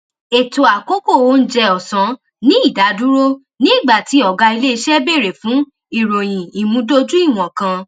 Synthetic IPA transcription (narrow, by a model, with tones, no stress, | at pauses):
e˨to˨a˨ko˦ko˦˨wo˦˧n̩˦d͡ʒɛ˧ɔ˨sã˨˦ | nĩ˦i˦˨da˨˦du˦ɾo˦ | nĩ˦i˦˨ɡ͡ba˨ti˨˦ɔ˦˨ɡa˧i˧le˦i˧ʃɛ˦be˦˨ɾe˨fũ˨˦ | i˨ɾo˨j̃ĩ˨i˨mũ˨˧˦do˦d͡ʒu˦i˦˨w̃ɔ̃˨kã˧